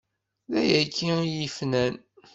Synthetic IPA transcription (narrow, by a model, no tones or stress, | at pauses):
ðæjækʰːiijifnæn